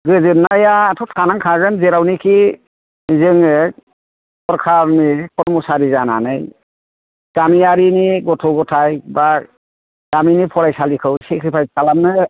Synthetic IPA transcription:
ɡɯzɯnːajatʰɔtkʰanaŋkʰaɡɯnzeɾawnikʰi | zɯŋɯ | kɔɾkʰanikʰɔɾmɔsaɾizana̰nɯj | ɡ̥amijaɾiniɡɔtʰɔɡɔtʰajba | ɡ̥aminipʰɔɾajsalikʰɯwsikʰɯpʰajsalamnɯ

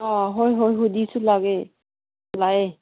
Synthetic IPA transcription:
ɔ̃ɦojɦojɦud̪isulaɡɛ | laɡɛ

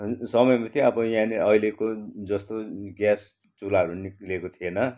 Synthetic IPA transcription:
sʌmʌjmat̪ʰiʌbʌjãniʌilekod͡zʌst̪oɡjas | t͡sulaɦʌɾuniklekot̪ʰienʌ

